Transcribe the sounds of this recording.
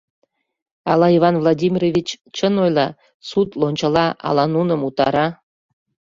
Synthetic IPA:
ɑlɑivɑnvlˠodʲimʲirovʲit͡ɕt͡ɕənojlˠɑ | sut̪lonʲt͡ɕə̆lɑʔɑ̰lɑnunəmut̪ɑɾɑ

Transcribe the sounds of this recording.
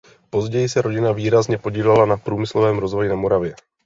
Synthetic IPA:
po̞zɟɛjɪsɛɾo̞ɟɪnaviːɾazɲɛpo̞ɟiːlɛlanapɾuːmɪslovɛːmɾo̞zvo̞jɪnamo̞ɾavjɛ

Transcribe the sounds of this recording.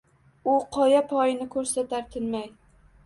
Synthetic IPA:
ʊqʰɒjapʰɒjɪnɪkʰɵɾsat̪ʰaɾt̪ʰɪnmaj

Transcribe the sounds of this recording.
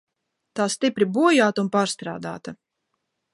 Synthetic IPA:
t̪aːst̪ipɾibuɔjaːt̪unpaːɾst̪ɾa̰ːd̪a̰ːt̪ɐ

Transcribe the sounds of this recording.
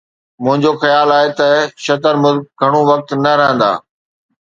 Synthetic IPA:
mʊ̃ɦɪ̃ɲd͡ʑoxɐjaːlaːɦet̪ɐʃɐt̪əɾmʊzk̚ɡʱɐɽ̃ũʋɐk̚t̪nɐɾɐɦə̃nd̪a̰ː

